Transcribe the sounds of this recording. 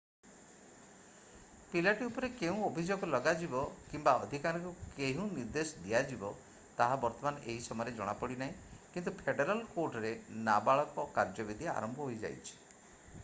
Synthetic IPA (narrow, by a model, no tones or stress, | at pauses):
pilaʈiupɔɾekeũobʱid͡ʒoɡɔlɔɡad͡ʒibɔkimbaɔd̪ʱikaɾɔ̃ŋkukeɦũniɾd̪esɔd̪iad͡ʒibɔ | t̪aɦabɔɾt̪ɔmanɔʔeɦisɔmɔjɔɾed͡ʒɔɽ̃apɔɽinaɦĩkint̪upʰeɖeɾalkoɾʈɔɾenabaɭɔkɔkaɾd͡ʒɔbid̪ʱia̰ɾɔmbʱɔɦojd͡ʒa̰jt͡ʃʰi̥